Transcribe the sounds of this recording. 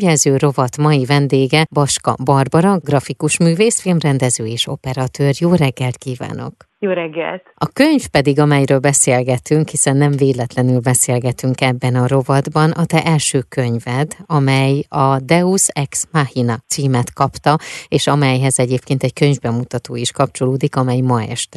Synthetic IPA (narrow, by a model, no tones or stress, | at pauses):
jɛlzøːɾo̞vɒt̪mɒjivɛnd̪eːɡɛbɒʃkɒ̰bɒrbɒɾɒɡrɒfikuʃmyːveːsfilmrɛnd̪ɛzøːeːʃo̞pɛɾɒt̪øːrjoːɾɛɡːɛlt̪kiːva̰ːno̞̰k | joːɾɛɡːɛ̰lt̪ɒkøɲfpɛd̪iɡɒmɛjɾøːlbɛseːlɡɛt̪yŋkhisɛnːɛɱveːlɛt̪lɛnylbɛseːlɡɛt̪yŋkɛbːɛnɒɾo̞vɒd̪bɒnʔɒt̪ɛʔɛlʃøːkøɲvɛd̪ɒmɛjɒd̪ɛusɛksmahinɒt̪siːmɛt̪kɒpt̪ɒeːʃɒmɛjɦɛzɛɟeːpkeːnt̪ɛɟkøɲvbɛmut̪ɒt̪oːiʃkɒp̚t͡ʃo̞loːd̪ikɒmɛjmɒɛ̰ʃt̪ɛ